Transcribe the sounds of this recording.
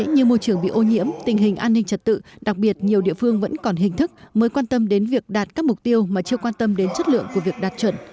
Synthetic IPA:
ɲɨ˧mo˧jt͡ɕɨ˧˩əŋɓḭ˧˨ʔo˧ɲḭ˧˥əmt̪ï˨˩ŋ̟ɦï˨˩ŋ̟ʔaː˧nːï˧ŋ̟t͡ɕə˨˩t̚t̪ɨ̰˧˨ɗa˨˩k̚ɓi˨˩ət̚ɲi˨˩əwɗḭ˧˨əfɨ˧əŋvə̰˧˥nkɔ˨˩nɦï˨˩ŋ̟t̪ʰɨ˦˥k̚məː˨˦jkwaː˧nt̪ə˧mɗe˨˦nvi˨˩ək̚ɗaː˨˩t̚kaː˦˥k̚mʊ˨˩k͡p̚t̪i˧əwmaː˨˩t͡ɕi˧əkwaː˧nt̪ə˧mɗe˨˦nt͡ɕə˦˥t̚lɨ̰˧˨əŋku˧˩əvi˨˩ək̚ɗaː˨˩t̚t͡ɕwə˧˩n

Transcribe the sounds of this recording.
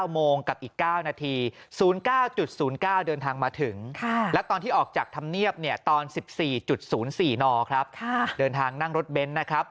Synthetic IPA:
a˥˩wmoː˧ŋka˨˩p̚ʔiː˨˩kːaː˥˩wnaː˧t̪ʰiː˧suː˩˦nkaː˥˩wt͡ɕu˨˩t̪̚suː˩˦nkaː˥˩wdɤː˧nt̪ʰaː˧ŋmaː˧t̪ʰɯ˩˦ŋkʰa˥˩lɛ˦˥t̪ɔː˧nt̪ʰiː˥˩ʔɔː˨˩k̚t͡ɕaː˨˩k̚t̪ʰa˧mni˥˩əp̚ni˥˩ət̪ɔː˧nsi˨˩p̚siː˨˩t͡ɕu˨˩t̪̚suː˩˦nsiː˨˩nɔː˧kʰɾa˦˥p̚kʰa˥˩dɤː˧nt̪ʰaː˧ŋna˥˩ŋɾo˦˥t̪̚be˦˥nːa˦˥kʰɾa˦˥p̚

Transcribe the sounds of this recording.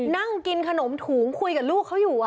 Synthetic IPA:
na˥˩ŋki˧nkʰa˧no˩˦mt̪ʰuː˩˦ŋkʰu˧jka˨˩luː˥˩kkʰːa˦˥wjuː˨˩ʔ

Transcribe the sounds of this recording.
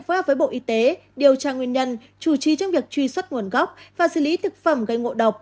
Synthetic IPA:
f̚ːvəː˨˦jɓo̰˧˨ʔi˨˦t̪e˨˦ | ɗi˨˩əwt͡ɕaː˧˩ŋwi˧ənɲə˧n | t͡ɕu˧˩t͡ɕi˨˦t͡ɕɔ˧wŋ͡mvi˨˩ək̚t͡ɕwi˧swə˦˥t̚ŋu˨˩ənɣɔ˦˥wk͡p̚vaː˨˩sɨ̰˧˨li˨˦t̪ʰɨ˨˩k̚fə˧˩mɣa˧jŋo̰˧˨ɗə˨˩wk͡p̚

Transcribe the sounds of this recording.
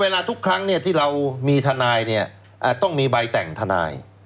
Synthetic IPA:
eː˧laː˧t̪ʰu˦˥kʰɾa˦˥ŋni˥˩ɐt̪ʰiː˥˩ɾa˧wmiː˧t̪ʰa˧naː˧jni˥˩ɐ | ʔaː˨˩t̪ɔ˥˩ŋmiː˧ba˧jt̪ɛ˨˩ŋt̪ʰa˧na̰ː˧j

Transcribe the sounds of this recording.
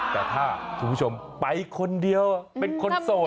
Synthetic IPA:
t̪ɛː˨˩t̪ʰaː˥˩kʰuː˧mpʰu˥˩o˧mpa˧jkʰo˧ndi˧əwpe˧nkʰo˧nsoː˨˩

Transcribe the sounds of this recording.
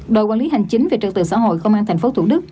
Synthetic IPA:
ɗo̰˨˧˨kwaː˧li˨˦ɦa˨˩jŋ̟t͡ɕï˨˦ŋ̟ve˨˩t͡ɕɨ˨˩t̪ɨ̰˨˩sa̰ː˧˥˦ɦo̰˧˨jkə˧wŋ͡mʔaː˧nt̪ʰj̟fo˨˦t̪ʰu˧˩ɗɨ˦˥k̚

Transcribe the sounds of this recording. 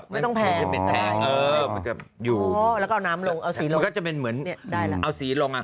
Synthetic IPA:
ma˥˩t̪pʰɛː˩˧˩pe˧nt̪ʰɛː˨˩˦ʔɤː˧˩˧nkɛ˨˩p̚juː˨˩˦lɛː˧˦˥kːnaː˦˥mlo˧ŋʔa˧wsiː˩˦lo˧kɔ˥˩t͡ɕa˨˩pe˧nmɯ˩˦ənni˥˩daː˥˩la˦˩ʔa˧wsiː˩˦lo˧ŋʔa˨˩

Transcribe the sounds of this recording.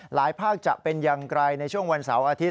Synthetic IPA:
laː˩˦jpʰaː˥˩k̚t͡ɕa˨˩ʔpe˧njaː˧ŋkɾa˧jna˧jt͡ɕʰu˥˩əŋwa˧nsa̰˩˦wʔaː˧t̪ʰi˦˥

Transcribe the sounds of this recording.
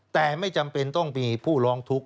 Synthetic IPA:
t̪ɛː˨˩ma˥˩jt͡ɕa˧mpe˧nt̪ɔ˥˩ŋmiː˧pʰuː˥˩lɔː˦˥ŋt̪ʰu˦˥k̚

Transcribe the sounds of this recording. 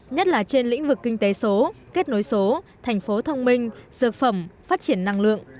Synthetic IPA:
ɲə˦˥t̚laː˨˩t͡ɕe˧nlḭ˧˥ŋ̟vɨ˨˩kːï˧ŋ̟t̪e˨˦so˨˦ke˦˥t̚no˨˦jso˨˦t̪ʰɛ˨˩jŋ̟fo˨˦t̪ʰə˧wŋ͡mmï˧ŋ̟zɨ˨˩ək̚fə˧˩mfaː˦˥t̚t͡ɕi˧˩ənːa˧ŋlɨ̰˧˨əŋ

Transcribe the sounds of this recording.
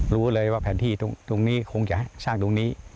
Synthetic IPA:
ɾuː˦˥lɤː˧jwaː˥˩pʰɛː˨˩˦nt̪ʰiː˥˩t̪o˧ŋt̪o˧ŋniː˦˥˩kʰo˧ŋt͡ɕa˨˩hsaː˥˩ŋt̪o˧ŋniː˦˥

